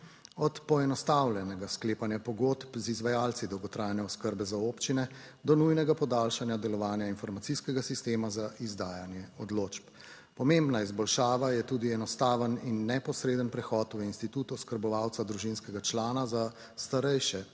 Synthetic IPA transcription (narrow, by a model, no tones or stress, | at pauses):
ɔt̪pɔɛnɔst̪awljɛnɛɡaskleːpanjapɔɡoːt̪pzizʋajaːlt̪sid̪ɔwɡɔt̪ɾaːjanjɛɔskəɾbɛzaopt͡ʃinɛ | d̪ɔnujnɛɡapɔd̪aːlʃanjad̪ɛlɔʋaːnjainfɔɾmat̪iskɛɡasist̪eːmazaʔizd̪aːjanjɛɔd̪loːt͡ʃp | pɔmembnaizbɔlʃaːʋajɛt̪uːd̪iɛnɔst̪aːʋəninːɛpɔsɾeːd̪ənpɾɛxɔːt̪winst̪it̪uːt̪uskəɾbɔʋawt̪sad̪ɾuʒinskɛɡat͡ʃlaːnaza | st̪aɾɛjʃɛ